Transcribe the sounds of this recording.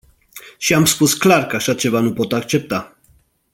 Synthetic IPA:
ʃiamskusklaɾkaʃat͡ʃɛvanupɔt̪akt͡ʃɛp̚t̪a

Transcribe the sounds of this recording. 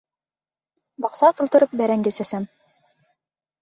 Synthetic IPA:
bɑqsɑq̪ɤ̆lˠt̪ɤ̆ɾɤp̚bæɾæŋɡɘsæsæm

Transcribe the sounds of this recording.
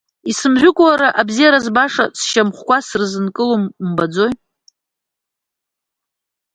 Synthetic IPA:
isɨmʒᶣʷʊkʷʼwaɾaʔabzijaɾazbaʂa̰sʃamχʷkʷasrzɨnkʼɨlommbad͡zo̞j

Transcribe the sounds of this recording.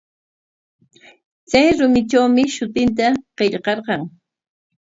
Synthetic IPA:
t͡sajɾʊmɪʈ͡ʂawmɪʃʊt̪ɪnt̪aqeʎqɑɾqɑŋ

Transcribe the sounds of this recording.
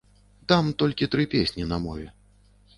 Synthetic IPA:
t̪amt̪ɔlʲkʲit̪ɾɨpʲesʲnʲinɐmɔvʲɛ

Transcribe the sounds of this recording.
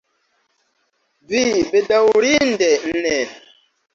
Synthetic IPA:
vibedawɾin̩dɛn̩nɛ

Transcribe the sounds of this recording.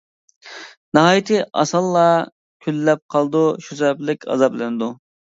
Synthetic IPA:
nɨɦɑːjit̪ʰɪʔɑ̰sɑlˠːɑ | kʲʰylːɛp̚qʰɑlˠd̪uʃusɛplɪkʲʰɑ̰zɑplɪnɨd̪u

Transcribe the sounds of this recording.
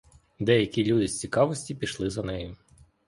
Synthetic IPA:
d̪ɛjɐkʲilʲud̪ɪsʲt͡sʲikɑʋɔsʲtʲipʲiʃlˠɪzɐnɛjʊ

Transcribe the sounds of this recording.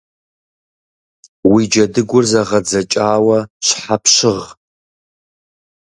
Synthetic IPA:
wid͡ʒɐdɨɡʷʊrzɐʁɐd͡zɐt͡ʃʼaːwɐɕħapɕɪʁ

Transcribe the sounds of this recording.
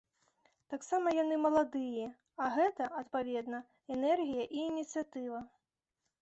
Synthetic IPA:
t̪aksamɐjanɨmɐlˠad̪ɨjɛ | aɣɛt̪ɐʔɐt̪pavʲɛd̪nɐ | ɛnɛrɣʲijɐʔiːnʲit̪sɨjat̪ɨvɐ

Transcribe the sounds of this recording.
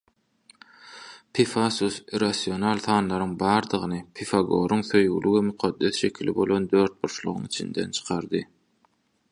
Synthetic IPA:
pʰifɑsusiɾasio̞nɑlˠθɑːnlˠɑɾɯŋbɑːɾd̪ɯʁɯnɯpʰifɑɡo̞̰ɾuŋθøjɣy̰lywemyqʰɑd̪ːeθʃe̞kʲʰilḭbo̞lˠo̞nd̪øːɾt̪̚buɾʃlˠṵʁuŋit͡ʃʰḭnd̪e̞̰nt͡ʃʰɯ̥qʰɑɾd̪ɯ

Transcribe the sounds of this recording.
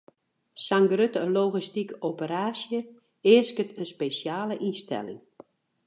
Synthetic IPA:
saŋɡrøtəloːɣistikopəɾaːsjə | ɪəskətʰənspeːsjaːləʔinstɛ̰lɪ̰ŋ

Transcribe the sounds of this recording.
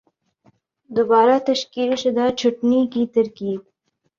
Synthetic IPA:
d̪ʊbɑːɾat̪ɐʃkilʃɪd̪at͡ʃʰʊʈnikit̪ɐɾkiːd̪

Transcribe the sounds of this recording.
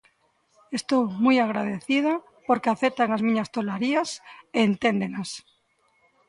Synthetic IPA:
est̪owmujaɣɾað̞eθið̞a | poɾkeaθet̪aŋazmĩɲast̪olaɾiaseːnt̪end̪enas

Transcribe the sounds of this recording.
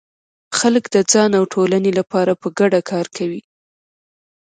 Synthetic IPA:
xaləkd̪əd͡zɑnawʈʰolanelapɑɾapəɡaɖakʰɑɾkʰawi

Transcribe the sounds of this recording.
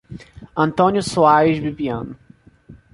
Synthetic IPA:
ɐ̃nt̪õnjʊsuaɾiʒbibiɐ̰̃nʊ

